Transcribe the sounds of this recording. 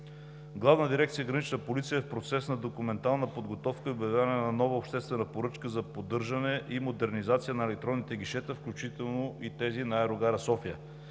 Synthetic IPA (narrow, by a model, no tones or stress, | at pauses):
ɡlˠavnəd̪iɾɛkt̪sijəɡɾɐnit͡ʃnəpolit̪sijəɛfpɾot̪sɛsnɐd̪okumɛnt̪alˠnəpod̪ɡot̪ɔfkəiobɛd̪anɛnɐnɔvɐopʃt̪ɛst̪vɛnəpoɾɤt͡ʃkəzɐpod̪ɤɾʒɐnɛʔimod̪ɛɾnizat̪sijənɐɛlɛk̚t̪ɾɔnːit̪ɛɡ̟iʃɛt̪əfklʲut͡ʃit̪ɛlˠnoʔit̪ɛzinaɛɾoɡaɾɐsɔfijə